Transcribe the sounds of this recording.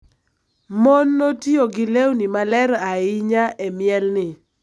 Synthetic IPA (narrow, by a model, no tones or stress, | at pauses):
mɔnːotioɡɪlewnɪmalɛɾaɪɲaʔɛmjɛlnɪ